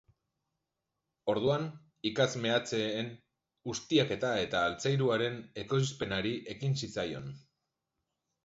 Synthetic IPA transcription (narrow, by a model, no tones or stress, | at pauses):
o̞ɾðuan | ikazme̞at͡se̞ːn | ɡust̪iake̞t̪ae̞t̪aːlt͡sajɾuaɾe̞ne̞ko̞ispe̞naɾiʔe̞kinsit͡sajo̞̰n